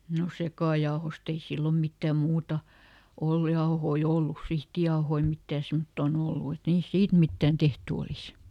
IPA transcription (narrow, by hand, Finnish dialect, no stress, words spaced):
no sekɑˑjɑohost ei silːom mitːæˑ muːtɑ olːŭ jɑohoi olːus sihtijɑohoi mitːæː semtːoːn olːu et niːst siːt mitːæːn tehty olis